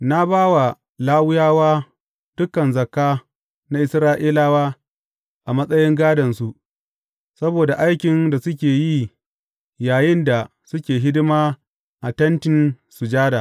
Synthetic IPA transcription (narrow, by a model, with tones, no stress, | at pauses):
na˦baː˦wa˨ | laː˦wʊ˦jaː˦waː˦ | d̥ʊ˦kːɐ˨nzɐ˨kːaː˦ | na˦ʔɪ˦sɾaː˦ʔiː˦laː˦waː˦ | ʔa˨mɐ˦sʼɐ˦jɪ˦ŋɡaː˦dɐ˨nsu˨ʔ | sɐ˦boː˨da˨ʔa˦jkʲɪ˨nda˨sʊ˦kʲeː˨ji˦ | jaː˨jɪ˦nda˨ | sʊ˦kʲeː˨ɦɪ˦dɪ˦maː˦ | ʔa˨tɐ˦ntɪ˦n | su˨d͡ʒaː˦daː˨